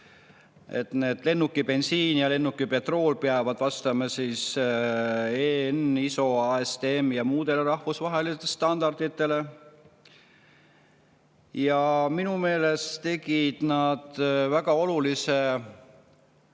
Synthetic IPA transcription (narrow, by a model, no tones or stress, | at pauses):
e̞̰t̪ne̞ːd̪̥le̞nːukːˑipe̞nsiːnjɑle̞nːukːˑipe̞t̪ro̞ːlpeɑvɑd̪̥vɑst̪ɑmɑsiːs | eniso̞ɑest̪eemjɑmuːd̪e̞leɾɑhvusvɑɦe̞list̪ːest̪ɑnd̪̥ɑrd̪̥it̪ːˑe̞le̞ | jɑminume̞ːle̞stt̪e̞ɡ̥id̪̥nɑd̪̥væɡɑo̞lulise̞